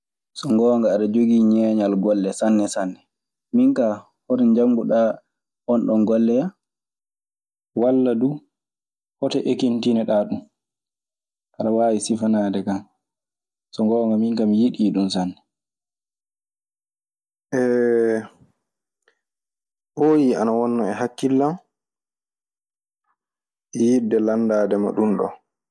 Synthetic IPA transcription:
sɔŋɡɔːŋɡaːɗad͡ʒoɡiːɲɛːɲalɡɔlːɛsanːɛsanːɛ | miŋka | hoɾɛɲd͡ʒaŋɡuɗa | hɔnɗɔnɡɔlːɛja | walːadu | hɔtɛʔekintinɛɗaːɗum | kaɗawaːwisifanaːdɛkam | sɔŋɡɔŋɡamiŋkamijiɗiːɗunsanːɛ | ʔɛ | hoːjia̰nawɔnːɔɛɦakːilːam | ʔijidːɛlandaːdɛma̰ɗunɗɔ̰

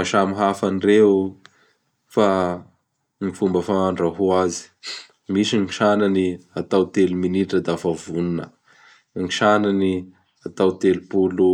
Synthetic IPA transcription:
aʃamiɦafanire | fa | ŋifumbəfaaɳɖ͡ʐaɦuazi̥ | misiŋiʃananiat̪awt̪eluminiʈ͡ʂəd̪afavununə | ŋiʃanani | at̪awt̪elupulu

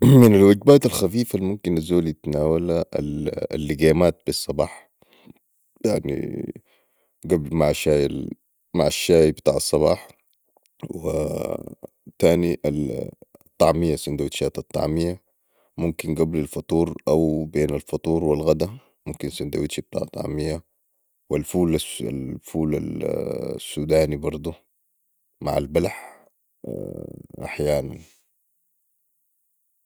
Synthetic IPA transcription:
mɪnalwaɡbaːt̪alxafiːfalmʊmkinazoːljɪt̪naːwalaʔa̰l̰lːiɡaːmaːt̪̚b̥isˤːɑbɑːħ | jaʕnḭ | ɡablmaʕaʃaːjal | maʕaʃːaːjbɪt̪a̰ːʕɑsˤːɑβɑ̰ːħ | wɪ̰ | t̪aːniʔalt̪ˤːɑʕmɪjasʊnd̪awit̪ʃaːt̪ɑt̪ˤːɑ̰ʕmɪja | mumkinɡablalfɑt̪ˤuːɾʔawbeːnalfɑt̪ˤuːɾwilɣad̪a | mumkinsind̪awit̪ʃib̚t̪ˤɑ̰ːʕɑt̪ˤɑ̰ʕmija | wilfuːlasa̰lfuːla̰l | sːuːd̪aːnibɑɾˤd̪ˤu | ma̰ʕa̰lbalħ | ʔa̰ħjaːnan

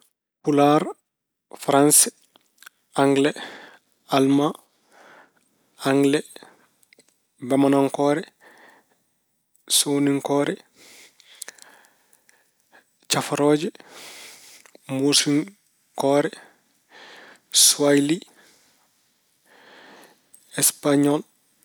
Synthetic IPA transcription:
pulaɾ | fɾans | aŋɡlɛ | alma | aŋɡlɛ | bamanɔŋkɔːɾɛ | soːniŋkɔːɾɛ | t͡ʃafaɾɔːd͡ʒɛ | musiŋ | kɔːɾɛ | suajli | ɛspaɲɔl

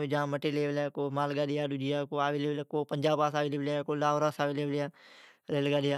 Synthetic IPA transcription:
id͡ʒãːməʈeːleːʋlɛkoːmaːlɡaːɗɪjaːɗʊd͡ʒijaːkoːaːʋileːʋlːkoːpəɲd͡ʒaːpaːsaːʋileːbljaːkoːlaːoɾaːsaːʋiːleːʋljaː | ɾeːlɡaːɗɪjaː

